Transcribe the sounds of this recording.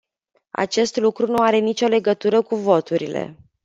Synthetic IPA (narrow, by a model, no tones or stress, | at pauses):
a̰t͡ʃe̞st̪lukɾunuaɾe̞nit͡ʃo̞le̞ɡət̪uɾəkuvo̞t̪uɾḭle̞̰